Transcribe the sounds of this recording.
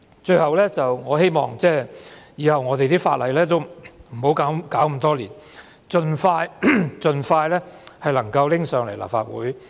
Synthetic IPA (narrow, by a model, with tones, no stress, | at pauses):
t͡ʃɵ˧ɥhɐ˨wlɛː˥t͡sɐ˨wŋɔː˨˧ɦe˥jmɔ̰ː˨ŋt͡sɛː˥˩jiː˨˧hɐ˨wŋɔː˨˧t̪e˨jt̪iː˥faː˧t̚lɐ˨˧jlɛː˥t̪o˥wm̩˨˩ho˨˥wkaː˨˥wkaː˨˥wm̩˨˩t̪ɔː˥liː˨˩n | t͡ʃɵ˨˧nfaː˧jt͡ʃɵ˨nfaː˧jlɛː˥hɐ˨jlɐ˨˩ŋkɐ˧wlɪ˥ŋsœː˨˧ŋle˨˩jla̰ː˨˩fa̰ː˧t̚wṵː˨˥j